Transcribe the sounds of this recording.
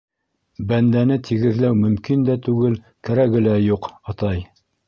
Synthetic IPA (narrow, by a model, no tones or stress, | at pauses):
bænd̪ænɘt̪ʰiɡɘ̆ðlæwmɵ̆mkind̪æt̪ʉɡɘl | kæɾæɡɘ̆læjuqɑt̪ɑj